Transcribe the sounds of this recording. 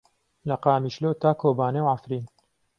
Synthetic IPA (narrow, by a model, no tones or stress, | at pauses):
lɐqaːmiːʃloːt̪aːkʰoːbaːnewʕafɾiːn